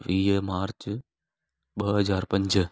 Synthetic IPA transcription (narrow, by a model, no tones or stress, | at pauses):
ʋiːmaːɾt͡ʃ | ɓɐɦɐzaːɾpɐ̃ɲd͡ʑ